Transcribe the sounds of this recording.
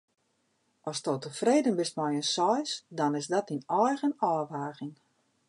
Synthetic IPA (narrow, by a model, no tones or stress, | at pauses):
ɔstoːtəfreːdənbɪstmɔjənsɔjsdɔnɪsdɔtinɔjɣənɔːʋaːɣɪŋ